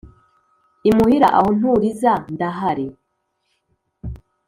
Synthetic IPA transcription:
imuhiɾa̰ʔa̰hon̥huɾizandaɦaɾe

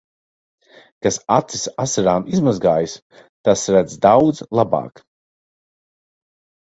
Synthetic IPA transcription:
kasat̪si̥sasaɾaːmizmazɡaːjis | t̪asɾæd̪zd̪awd̪zlˠaba̰ːk

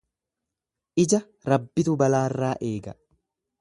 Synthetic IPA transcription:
ʔɪd͡ʒɐ | ɾɐbːɪt̪ʊbɐlaːrːaːʔe̞ːɡɐ

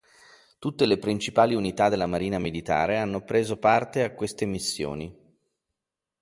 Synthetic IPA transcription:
t̪ut̪ːelepɾint͡ʃipaːliunit̪ad̪elːamaɾiːnamilit̪a̰ːɾeanːopɾeːzopart̪eakːwest̪emisːjo̰ːni

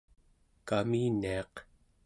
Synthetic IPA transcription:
kaminːiɑq

